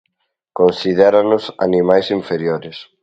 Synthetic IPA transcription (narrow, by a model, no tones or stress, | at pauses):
konsiðɛɾanʊsa̰nimajsiɱfeɾjoɾɪs